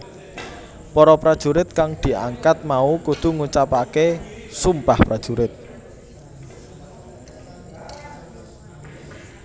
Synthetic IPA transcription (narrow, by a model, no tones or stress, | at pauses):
pɔɾɔpɾad̥ʒ̥ṳɾɪt̪̚kaŋd̪̥i̤ʔaŋkat̪̚maukut̪ṳŋut͡ʃapakesumpahpɾad̥ʒ̥uɾɪt̪̚